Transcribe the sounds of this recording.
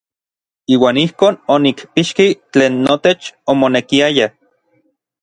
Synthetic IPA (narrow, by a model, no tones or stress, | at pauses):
iːwaːnihkoːnonikpiʃkit͡ɬeːnːot̪et͡ʃomonekiaja